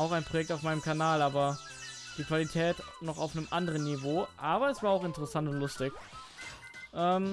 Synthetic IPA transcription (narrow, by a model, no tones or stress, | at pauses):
ʔaʊxaɪnpʁ̥ojɛk̚taʊfmaɪnəmkʰanaːlaːbɐ | d̥iːkv̥alitʰɛːtnɔχa̰ʊfnəmʔandəʁ̞ənːivoːʔaːbɐɛsv̥aːɐaʊxɪntəʁɛsantʊntlʊstɪç | ʔɛːm